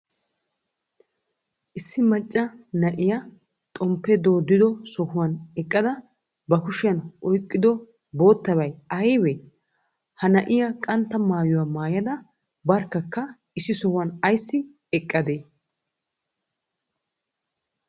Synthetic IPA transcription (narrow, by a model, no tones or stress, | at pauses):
ʔɪsːɪmɐt͡ʃʼːɐnɐʔɪjɐ | t̪ʼɔmpːɛd̪o̞ːd̪ːɪd̪ɔsɔhʊwɐnɛkʼːɐd̪ɐ | bɐkʊʃɪjɐnʔɔjkʼːɪd̪ɔ | bo̞ːt̪ːɐbɐjɐjwɛ | hɐnɐʔɪjɐkʼɐnt̪ːɐmaːjʊwamaːjɐd̪ɐ | bɐɾkːɐkːɐ | ɪsːɪsɔhʊɐnɐjsːɪ | ɛkʼːɐd̪eː